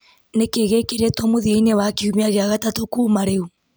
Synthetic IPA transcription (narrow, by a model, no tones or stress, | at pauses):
nekeɣekeɾetɔmoðiinewakiumiaɣeaɣatatokuːmaɾeu